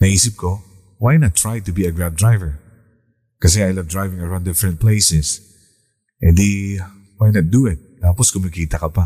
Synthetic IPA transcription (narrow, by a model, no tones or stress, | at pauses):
nɐiːsɪp̚ko | wajnat̪ːɹajt̪ʊbiɐɡɹad̪ɹajvɛɹ | kɐs̬ɛajlɐvd̪ɹajvɪ̃ŋɐɹãw̃nd̪ɪfɾɛ̃nt̪̚plejsɛs | ʔɛ̃nd̪e | wajnat̪̚d̪uɪt̪̚t̪aːpɔskʊmɪkiːt̪ɐkɐpa